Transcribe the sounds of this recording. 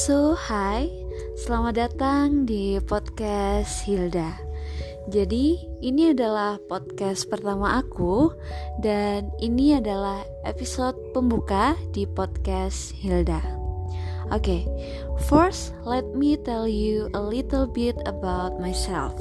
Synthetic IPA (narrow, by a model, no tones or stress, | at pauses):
sohaj | səlamat̪̚dat̪aŋdipɔt̪̚kashilda | d͡ʒadiːniadalahpɔt̪̚kaspərt̪amaʔːkudaniniadalah | ʔḛpisot̪̚pəmbukadipɔd̪̚kas | hilda | ʔoke | fɔrs | lɛt̪̚mit̪ɛljuəlɪt̪əlbɪt̪əbawt̪̚majsɛ̰lf